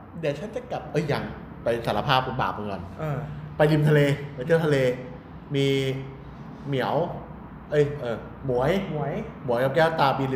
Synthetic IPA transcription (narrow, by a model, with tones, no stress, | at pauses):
dɛː˨˩t͡ɕʰa˦˥nt͡ɕa˨˩ka˨˩p̚ʔɤ˧˥˩jːa˧ŋ | pa˧jsaː˩˦la˧pʰaː˥˩p̚ku˧˩ba̰ː˨˩p̚kɯ˧ŋkɔ̰˧˩nʔːpa˧jli˧mt̪ʰa˧leː˧pa˧jt̪ʰɯ˥˩t̪ʰleː˧ | miː˧ | mi˩˦əw | ʔɤ˦˥˩jʔɤː˧ | mu˨˩˦ɐjm˨˩˦jmu˩˦jka˧˩kɛː˥˩wt̪aː˧piː˧li˧